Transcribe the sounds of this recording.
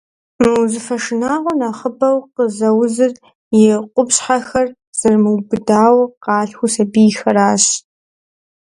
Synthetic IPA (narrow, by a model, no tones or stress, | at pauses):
mɨwzɨfɐʂɨnaːʁʷʊnaχəbɐwqəzɐwzɨr | jɪqʷʊpɕħaxɐr | z̥ɐrmɨwbɨdaːwqɑːɬxʷʊsɐbiːxɐɾaːɕ